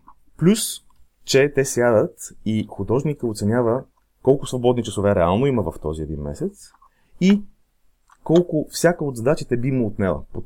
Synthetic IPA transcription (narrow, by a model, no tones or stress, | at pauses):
plʲus | t͡ʃɛt̪ɛsjad̪ət̪ixʊd̪ɔʒnikəot̪sɛnʲavə | kɔlˠkʊsvobɔd̪nit͡ʃəsovɛɾɛalˠnoiməvəft̪ɔziɛd̪inmɛ̰sɛt̪s | i | kɔlˠkʊfsʲjakəod̪zd̪at͡ʃit̪ɛbiməot̪nɛlə̰po